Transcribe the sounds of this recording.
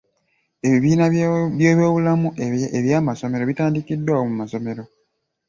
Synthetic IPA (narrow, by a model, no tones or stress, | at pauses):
e̞βiβiːnaβjoːβo̞ːβulamueβjaːmaso̞me̞ɾo̞βitaːndikidːwaomumaso̞me̞ɾo̞